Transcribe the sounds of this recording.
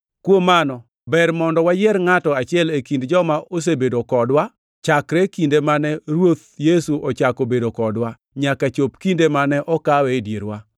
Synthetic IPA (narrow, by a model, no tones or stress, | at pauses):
kwomːanɔ | bɛrmɔndɔwajɛɾŋatɔat͡ʃɪɛlekindd͡ʒɔmaʔos̬ebedokɔdwa | t͡ʃakɾɛkindemanɛɾwot̪̚jesuʔɔt͡ʃakobedokɔdwa | ɲakat͡ʃop̚kindemanɛʔɔkawɛdjeɾwa